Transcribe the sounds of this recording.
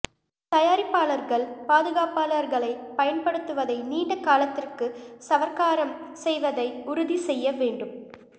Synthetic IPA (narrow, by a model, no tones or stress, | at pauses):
t̪ɐjaːɾɪpːaːlɐɾɣɐɭpaːðɯɣaːpaːlɐɾɣɐɭɐɪpɐjɐnpɐɽɯt̪ːɯʋɐðɐɪniːɳɖɐkːaːlɐt̪ːɪrkɯsɐʋɐɾkaːɾɐmsɛjʋɐðɐɪʊɾʊðisɛjːɐʋeːɳɖɯm